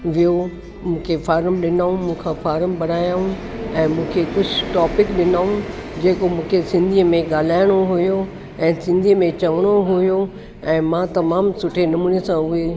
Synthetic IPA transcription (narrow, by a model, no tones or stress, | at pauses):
ʋijo | mũːkʰefaːɾəmɗɪnaːũmũːkʰãfaːɾəmbɐɽaːjaːɦũ | ɛ̃ːmũːkʰekʊd͡ʑʱʈɔːpɪkɗɪnaːũd͡ʑeːkomũːkʰesɪ̃nd̪ʱiːəmẽɠaːl̤aːɪɽ̃oɦujo | ɛ̃ːsɪ̃nd̪ʱiːmẽt͡ɕɐʋəɽ̃oɦujo | ɛ̃ːmãt̪ɐmaːmsʊʈʰenɐmuːnesãʊe